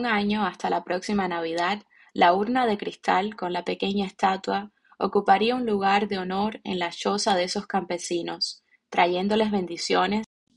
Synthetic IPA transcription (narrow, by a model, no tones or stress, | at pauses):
ŋaɲo̞ast̪alapɾo̞ksimanaβ̞iðad̪ | lauɾnað̞e̞kɾist̪alko̞nlape̞ke̞ɲae̞st̪at̪wa | o̰kupaɾiaunluɣ̞aɾðe̞o̞no̞ɾe̞̰nlat͡ʃo̞saðe̞so̞skampe̞sino̞s | t̪ɾaʝe̞nd̪o̞le̞zβe̞nd̪isjo̞ne̞s